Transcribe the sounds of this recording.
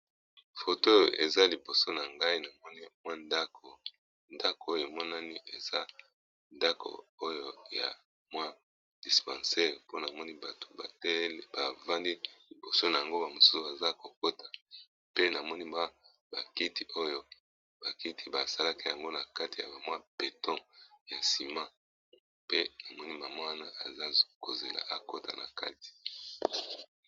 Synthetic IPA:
fo˨to˦˨ḛ˨za˦li˨bo˨so˦na˨ŋɡa˦i˦na˨mɔ˦ni˦mwa˦nda˦kʰo˨ | nda˦ko˨o˦jo˨e˨mɔ˦na˦ni˦ʔe˨za˦ | nda˦ko̰˨o˦jo˦ja̰˨ | mwa˦ | d̥i˨spã˨se˦po˦na˨mɔ˦ni˦ba˨to̥˨a˨tba˨va˦ndi˦li˨bo˨so˦na˨ja˨ŋɡo˦ba˨mo˨su̥˦su˨ba˨za˦ko˨ko˦tḁ˨ | pe˦na˨mɔ˦ni˦ma˦ | ba˨ki˦ti˨o˦jo˦ | b̥a˨ki˦tʰi˦ba˨sa˦la˦ki˦ja˨ŋɡo˦na˨ka˦ti˨ja̰˨ba˨mwa˦b̥e˨tʰɔ̃˦ja˨si˨mã˦ | pe˦na˨mɔ˦ni˦ma˨mwa˦wa˦na˦ʔa˨za˦ko˨ze˨la̰˨ʔa˨ko˦ta̰˨na̰˨ka̰˦ti̥˨

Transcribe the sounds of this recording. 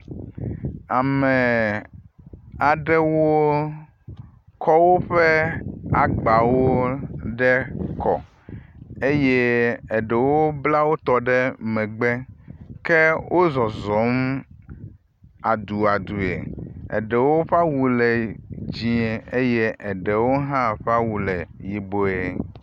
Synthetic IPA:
a˨mɛ˨ | a˨ɖɛ˦wo˦ | kɔ˦wo˦ɸe˦a˨ɡ͡ba˨wo˦ɖɛ˦kɔ̰˨ | e˦je˦ɛ˨ɖɛ˨wo˦bla˦wo˦t̪ɔ˦ɖɛ˦mɛ̃˨ɡ͡bɛ˦ke˦wʔo˦zɔ˨zɔ˨˦m | a˨d̪u˨a˨d̪u˨ḛ˨ɛ̰˨ɖɛ˨wo˦ɸa˦wu˨le˨d͡ʑi˨e˨e˦je˦ʔɛ˨ɖɛ˨wo˦ɦã˦ɸa˦wu˨lɛ˨ji˨bo˦e˦

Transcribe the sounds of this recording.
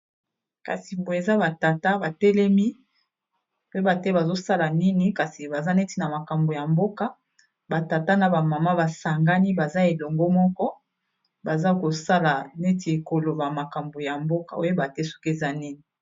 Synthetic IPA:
ka̰˨si˨mbo˨e˨za˦ba˨ta˨ta˦ba˨tɛ˦lɛ˦mi˦ | o˦o˦ba˨tɛ˦ba˨zo˦sa˦la˨ni˦ni˨ka˨si˨ba˨za˦ne˦ti˨na˨ma˨ka˨mbo˨ja˨mbo˦ka˦ | ba˨ta˨ta˦na˨ba˨ma˨ma˦ba˨sa˨ŋɡa˦ni˦ba˨za˦e˨lɔ˨ŋɡo˦mɔ˦kɔ˦ | ba˨za˦ko˨sa˦la˨ne˦ti˨e˨ko˨lo˨ba˨ma˨ka˨mbo˨ja˨mbo˦ka˨o˦jo˦ba˨tɛ˦so̥˦ke˨za˦ni˦ni˨

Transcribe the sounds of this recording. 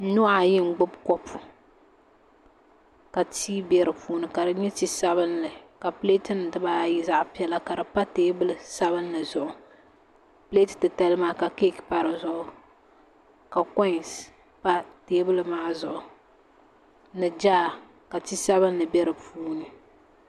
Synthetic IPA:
nʊ˦ʔa˨jɪ˦ŋ̩˦ɡ͡bʊ˦bkɔ˦pʰu˨ | ka˨tʰiː˦bɛ˦ɾɨ˨puː˦nɨ˨ka˨dɨ˦ɲɛ˦ti˦sa˦βɨ˦nːɨ˨ka˨ple˦tɨ˦n˨dɨ˦baː˦ji˦za˨ʔpi˦ɛ˦la˨ka˨dɨ˨pa˦teː˦bɨ˦lɨ˦sa˦βɨ˦nːɨ˨zʊ˨ʔʊ˨ | ple˦tɨ̥˨tɨ˨ta˦lmaː˦ka˨ke˦kpa˦ɾɨ˨zʊ˨ʔʊ˨ | ka˨kɔ˦˨s | pa˦teː˦bɨ˦lɨ˦ma˦zʊ˨ʔʊ˨ | nɨ˨d͡ʒaː˦˨ | ka˨ti˦sa˦βɨ˦nːɨ˨bɛ˦ɾɨ˨puː˦nɨ˨

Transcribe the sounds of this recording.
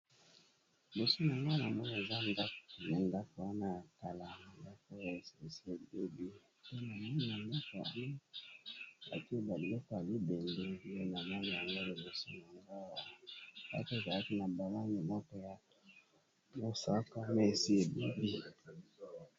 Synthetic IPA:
bo˨so˦n˨a˨ŋɡa˦na˨mɔ˦na˨e˨za˦nda˦kna˨nda˦ko˨wa˦na˨ka˨la˨nda˦ko˦ja˨se˨si˦e˨be˦bi˦ | po˦na˨ma˦na˨nda˦ko˨ja̰˨ŋɡo˦ | a̰˨ki˦e˦ba˨bi˨lɔ˦kɔ˨ja˨li˦be˨ŋɡe˦˨je˦na˨ma˦na˨ja˨ŋɡo˦li˨bo˨so˦n˨a˨ŋɡa˦wa˨a̰˦ke˨za˨la˦ki˦na˨ba˨la˦ni˨mɔ˦kɔ˦ja˨ | mo˨sa˦ka˦me˦˨si˦e˨be˦bi˦

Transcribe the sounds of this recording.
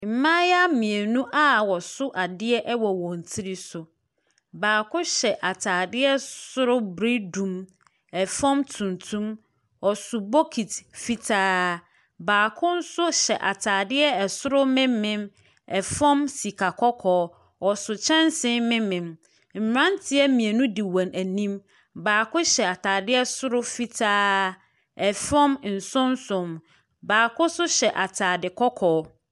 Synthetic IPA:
m̩˨mã˦ja˦mĩ˨e˨nũ˦ʔa˦wɔ˨sʊ˦ʔa˨dɪ˦ɛ˦ʔɛ˦wɔ˨wɔ̃˨n̩˨tʰi˦ɾi˦sʊ˨ | baː˨kʰʊ̃˦ɕɛ˨ʔa˨tʰaː˨dɪ˦ɛ˦sʊ˦ɾʊ˦bɾi˦dũ˨m | ɛ˨fɔ̃˦mtʰũ˨ntʰũ˦m | wɔ˨sʊ˨bo˦kʰi˨tfi˦tʰaː˦ | baː˨kʰʊ̃˦n̩˦sʊ˦ɕɛ˨ʔa̰˨tʰaː˨dɪ˦ɛ˦ɛ˨sʊ˦ɾʊ˦mɪ̃˦mɪ̃˦m | ɛ˨fɔ̃˦msi˨kʰa˨kʰɔ˦kʰɔː˨˦ | ɔ˨sʊ˨t͡ɕʰɛ̃˦nsɪ̃˦mɪ̃˦mɪ̃˨m | m̩˨m˨ɾã˦ntʰɪ˦ɛ˦mĩ˨e˨nũ˦di˨wã˨næ˨nĩ˦m | baː˨kʊ̃˦ɕɛ˨a˨tʰaː˨dɪ˦ɛ˦sʊ˦ɾʊ˦fi˦tʰaː˦ | ɛ˨fɔ̃˦mn̩˨sʊ̃˦n˦sʊ̃˨m | baː˨kʊ̃˦sʊ˦ɕɛ˨ʔa˨tʰaː˨dɪ˨kʰɔ˦kʰɔː˨˦

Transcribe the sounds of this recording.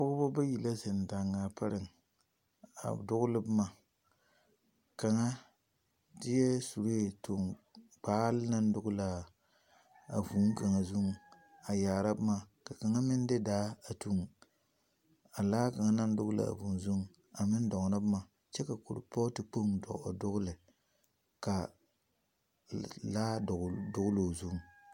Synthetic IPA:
pʊ˦ɡʊ˦bɔ˦ba˦ji˨la˦zɨ˨n˨da˨ŋːaː˨pa˦ɾɪ˨ŋ˨ | a̰˨dʊ˦ɣʊ˦lɨ˦bɨ˦ma˨ | ka˨ŋa˦ | dɪ˦jɛ˦su˨ɾo˦e˨to˨ŋk͡paː˦lɪ˦na˦n˦dʊ˦ɡʊ˦la˨ | a̰˨vu˨˦ŋ˦ka˨ŋa˨zu˦ŋ˨ | a˨jaː˨ɾa˦bɨ˦ma˨ka˨ka˨ŋa˦mɪ˦n˦dɨ˦daː˦a˨tu˦ŋ | a˨laː˦ka˨ŋa˦na˦n˦dʊ˦ɡʊ˦la̰˨a̰˨vu˨n˨zu˦ŋ˨ | a˨mɪ˦n˦dɔ˨ŋ˨na˦bɨ˦ma˨ | t͡ʃɛ˦ka˨ko̰˨ɾʊ̰˨pɔ˦tɨ˨k͡po˦ŋdɔ̰˨ʔa̰˨dʊ˦ɡʊ˦lɨ˨ | ka˨ | laː˦˨dʊ˦ɣʊ˦lo˨zu˦ŋ̩˨

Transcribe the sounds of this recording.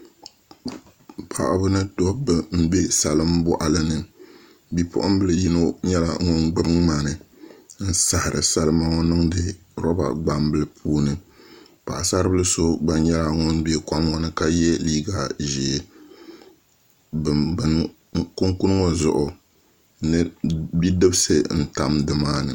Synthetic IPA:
pʰa̰˨ʔa˨bʊ˦nɨ˦to˦bɨ˨m̩˦be˦sa˨lɨ˦mbɔ˦ʔa˨lɨ˦nɨ˨ | bi˦pʰʊ̰˦ʔʊ˦m˦bɨ˦lɨ˨ji˦no˦ɲɛ˦la̰˨ŋɔ˦nɡ͡bɨ˦bɨ˦ŋma˨nɨ˨n̩˦sa˨hɪ˨ɾɨ̰˨sa˦lɨ˦ma˦ŋɔ˦nɨ˦ŋdɨ˨ | ɾɔ˦ba̰˨ɡ͡ba˨m˦bɨ˦lɨ˦pʰuː˦nɨ˨ | pa˨ʔa˨sa˦ɾɨ˦bɨ˦lɨ˦so˦ɡ͡ba˨nɲɛ˦la˨ŋɔ˦nbe˦ka˦mŋɔ˦nɨ˦ka˦jɛ˦liː˦ɡa˨ʒi˨ | bɨ˨n | ku˦ŋku˦n˦ŋɔ˦zʊ˨ʔʊ˨ | nɨ˦bi˦dɨ˦bɨ˦sɨ˦n̩˨ta˦mdɨ˨maː˦nɨ˨

